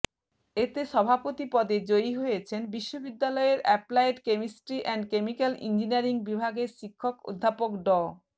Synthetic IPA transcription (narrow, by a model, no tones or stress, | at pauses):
et̪eʃɔbʱapot̪ipɔd̪ed͡ʑojɦojet͡ɕʰenbiʃːobid̪ːalɔeɾɛplajʈkemisʈɾiʔɛnɖkemikalḭnd͡ʑiniaɾiŋbibʱaɡeɾʃikʰːoko̰d̪ʱːapokɖɔ